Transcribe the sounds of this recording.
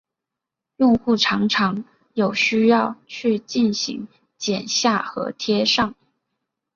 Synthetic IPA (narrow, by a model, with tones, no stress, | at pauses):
jʊ˥˧ŋxu˥˩ʈ͡ʂʰɑ˧˥ŋʈ͡ʂʰɑ˧˥ŋ | jo˨˩ʊɕy˥jɑ˥˧ʊt͡ɕʰy˥˧t͡ɕi˥˩nɕḭ˧˥ŋ | t͡ɕjɛ˨˩nɕja˥˩xɤ̰˧˥t̪ʰjɛ˥ʂɑ˥˩ŋ